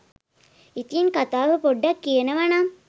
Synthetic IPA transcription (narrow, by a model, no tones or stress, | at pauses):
it̪iinkat̪aːʋəpoɖːɐkːijenəʋana